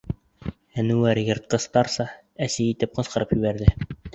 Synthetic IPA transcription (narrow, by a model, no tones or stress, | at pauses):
ænuæɾjɤ̆ɾt̪̚qɤ̆st̪ɑɾsɑ | æsɘjit̪ɘp̚qɤ̆sqɤ̆ɾɤpjʉβæɾðɘ